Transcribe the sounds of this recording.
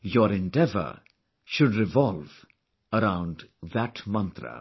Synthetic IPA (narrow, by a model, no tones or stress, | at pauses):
jɔɾɪ̃ɳɖɛvə̰ | ʃʊɖɾɪvɔlv | əɾãʊ̃ɳɖd̪æʈmʌ̃nt̪ɾə̰